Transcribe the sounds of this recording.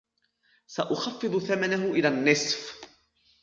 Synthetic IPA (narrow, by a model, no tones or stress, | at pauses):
saʔʊxɑfːɨðˤʊθamanaɦʊʔɪlaːnːɪsf